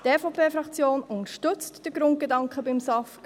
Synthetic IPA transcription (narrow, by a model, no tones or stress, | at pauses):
tɛːfɔpʰeːfɾɑkt͡sjoːnʊnəʃtɵt͡std̥əɡɾʊnt̚ɡ̥edɑŋkχəbɪmsɑfk